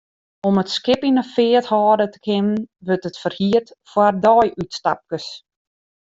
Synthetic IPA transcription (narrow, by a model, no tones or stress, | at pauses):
ɔmətskɪpinəfɪəthɔːdətə̥kʰɪmənʋørtətfərhiərtfwardɔjʔytstap̚kəs